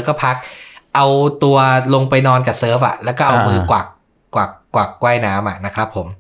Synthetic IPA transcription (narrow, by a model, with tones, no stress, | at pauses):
kɔː˥˩pʰa˦˥k̚ʔa˧wt̪u˧ɐlo˧ŋpa˧jnɔː˧nkaː˨˩sɤː˦˥fʔa̰˨˩lɛ˦˥wkɔː˥˩ʔa˧mɯː˧kwaː˨˩kː | waː˨˩kːwaː˨˩kːwa˥˩jnaː˦˥mʔa˨˩na˦˥kʰɾa˦˥pʰːo˩˦m